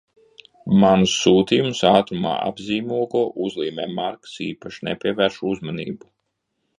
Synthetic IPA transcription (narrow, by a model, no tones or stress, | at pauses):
manusːuːt̪ijumsaːt̪ɾuma̰ːa̰bziːmuɔɡuɔʔuzlˠiːmɛːmaɾksiːpaʃinɛpʲiɛvæːɾʃuuzmɔnḭːbu